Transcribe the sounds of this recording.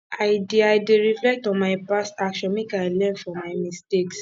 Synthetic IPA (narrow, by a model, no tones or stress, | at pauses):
aɪdiaɪdeɹiflɛk̚tɔ̃nmaɪpastakʃɔ̃nwĩkaɪlɛ̃nfɔmaɪmisteks